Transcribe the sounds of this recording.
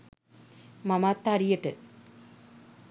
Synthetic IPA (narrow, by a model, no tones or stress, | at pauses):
mɐmaːt̪ːaːɾijɐʈːɨ